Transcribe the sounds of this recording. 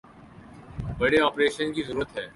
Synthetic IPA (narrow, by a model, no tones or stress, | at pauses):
bɐɽeɔːpɾeːʃənkizəɾuːɾət̪ɦɛː